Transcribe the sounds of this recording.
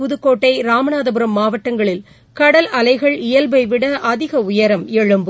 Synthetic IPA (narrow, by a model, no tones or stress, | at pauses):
ʊðɯkːoːʈːɐɪɾaːmɐnaːðɐbɯɾɐmːaːʋɐʈːɐŋɡɐɭɪl | kɐɽɐlɐlɐɪɣɐɭɪjɐlbɐɪʋɪɽɐʔɐðɪɣɐʊjɐɾɐmɛɻɯmbɯ